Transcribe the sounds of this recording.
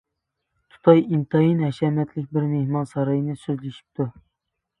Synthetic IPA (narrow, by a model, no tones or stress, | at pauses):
t̪ʰu̥t̪ʰɑjint̪ʰɑjinɦɛʃɛmɛt̪lɪk̚ʲbɪɾnehmɑnsɑɾɑjnɨsøzlɪʃi̥p̚t̪ʰu